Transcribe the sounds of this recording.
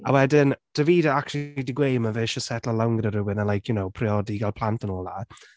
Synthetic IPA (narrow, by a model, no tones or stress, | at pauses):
awɛdɪnd̥əviːdəakt͡ʃulidiɡwejməvɪʃəsɛtʰlˠəlawŋɡɾəɾɪwɪnənlˠajkʰjunowpʰrɪɔdiɡalˠpʰl̥ˠantənɔːlˠa